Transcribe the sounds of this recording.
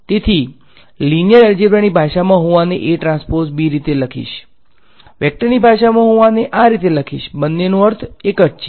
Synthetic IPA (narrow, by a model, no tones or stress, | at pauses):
t̪et̪ʰi | linjəɾeld͡ʒebɾənibʱaʃamãɦoʋaneʔeʈɾãnspoɾsbiɾit̪eləkʰḭʃ | ʋɛk̚ʈəɾnibʱaʃamãɦoʋaneʔaɾit̪eləkʰḭʃbənːenũəɾt̪ʰekətt͡ʃʰe̥